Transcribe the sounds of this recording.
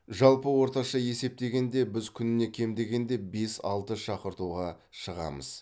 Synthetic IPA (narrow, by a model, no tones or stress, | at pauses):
ʒɑlˠpəwo̞ɾt̪ɑʃɑje̞se̞p̚t̪e̞ɡʲe̞nd̪e̞bɪzkʲʰʏnɪne̞kʲʰe̞md̪e̞ɡʲe̞nd̪e̞be̞sɑ̰lˠt̪əʃɑqəɾt̪uʁɑ | ʃəʁɑ̰mə̰z